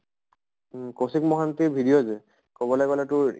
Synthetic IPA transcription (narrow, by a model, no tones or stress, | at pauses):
kosikmɔɦantibʱidijoze | kɔbɔlajkɔlatʊɹ